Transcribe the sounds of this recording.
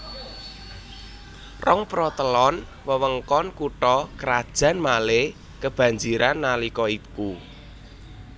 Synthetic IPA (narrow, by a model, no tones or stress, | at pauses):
rɔŋpɾɔt̪əlɔn | wəwəŋkɔnkuʈɔkəɾad̥ʒ̥ä̤nmale | kəb̥ä̤ɲd͡ʒiɾʔanːalikɔiku